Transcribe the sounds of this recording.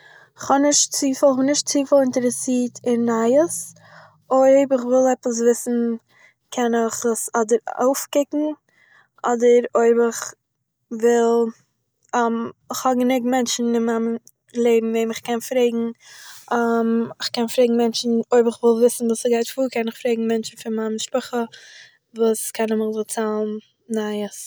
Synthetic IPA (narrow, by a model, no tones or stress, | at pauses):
χhɔnɪʃtt͡siːfˠχnɪʃt̚t͡siːfəlˠɪntɛɾəsiːtʰɪnːaɪəs | oɪbɪχvɪlˠɛpəs̬vɪsn̩ | kʰɛnɪχasɔdəɾo̰ʊfkɪkŋ̩ | ʔɔdəɾoɪbɪχ | vɪlˠ | mɪχhɔɡənɪɡmɛnt͡ʃn̩ɪnmam | lˠeɪbm̩veɪmɪχkɛnfɾeɪɡŋ̩ | amɪχkɛnfɾeɪɡŋ̩mɛnt͡ʃn̩oɪbɪχvɪlˠvɪsn̩vuːsɡaɪtfuːkʰɛnɪχfɾeɪɡŋ̩mɛnt͡ʃn̩fɪnmamʃpʊχə | vuːskʰɛnəmɪχzɪt͡saːlˠn | naɪəs